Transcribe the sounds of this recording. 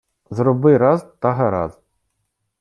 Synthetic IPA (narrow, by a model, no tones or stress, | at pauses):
zɾɔbɪɾɑzt̪ɑɦɐɾɑ̰z